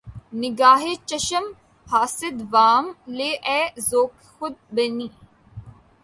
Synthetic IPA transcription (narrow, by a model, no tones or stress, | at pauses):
nɪɡaːɦet͡ʃɐʃəm | haːsɪd̪ʋaːmleːʔɛːzoːk | xʊd̪̚bɐniː